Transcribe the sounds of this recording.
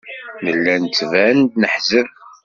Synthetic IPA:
ləlːænt͡sːvænd̪nəħzəv

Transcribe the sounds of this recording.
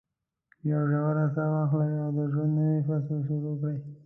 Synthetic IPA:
jawʒawaɾasawɑxlawiawd̪əʒwand̪nəwifaslʃoɾokɽəj

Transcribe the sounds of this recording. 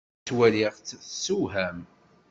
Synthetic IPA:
wæliʁt͡sːsuɦæm

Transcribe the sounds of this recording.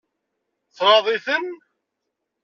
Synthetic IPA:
θɾˤɑðˤiθən

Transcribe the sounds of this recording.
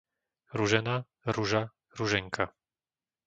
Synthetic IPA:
ɾuʒɛna | ɾuʒa | ɾuʒɛŋkʰa

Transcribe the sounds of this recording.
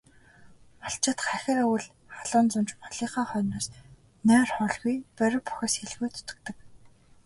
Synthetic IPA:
aɬt͡ɕɪ̆t̪χæxʲɪ̆ræwɘ̆ɮ | χaɮʊːnt͡sʊmt͡ɕmɔɮiːχaːχœːnɔːs | nœːrχɔɮɣujpœɾʲɪ̆wpu̥xʲeːsxeɮɣuːt̪ʰʊ̥t̪ɵ̆k̚t̪ɞ̆k

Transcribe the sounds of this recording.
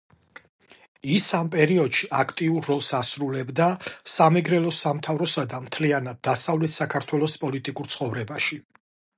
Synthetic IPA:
isampʼɛɾiɔd̪̥ʃiʔakʰt̪ʼiuɾːɔlˠsasɾulɛbd̪asamɛɡɾɛlɔsamt̪ʰavɾɔsad̪amt̪ʰlianad̪̚ːasavlɛt̪ʰsakʰaɾt̪ʰwɛlˠɔspʼɔlit̪ʼikʼuɾt̪sʰχɔvɾɛbaʃi

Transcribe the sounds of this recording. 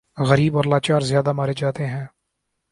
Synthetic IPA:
ɣəɾiːbɔːɾlaːt͡ʃaːɾzɪjaːd̪amaːɾed͡ʒaːt̪eɦɛ̃ː

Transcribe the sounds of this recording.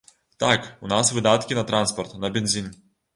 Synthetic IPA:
t̪akunasvɨd̪at̪kʲinɐt̪ɾanspɔrt̪nɐbʲɛnʲzʲinʲ

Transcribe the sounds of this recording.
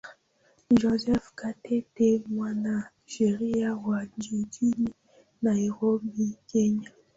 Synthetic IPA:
ʒozɛfkatɛtemwana | ʒ̥eɾiawad͡ʒudini | naeʁobikɛɲa

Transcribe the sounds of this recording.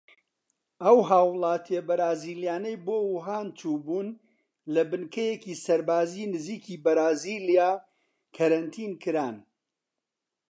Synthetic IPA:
ɐwɦaːwlˠɑːt̪ʰebɐɾaːziːlijaːnɐjboːwʊɦaːnt͡ʃuːbuːn | lɐbɨnkʰɐjeciːsɐɾbaːzinɨziːkiːbɐɾaːziːlijaː | kʰɐɾɐnt̪ʰiːnkʰɨɾaːn

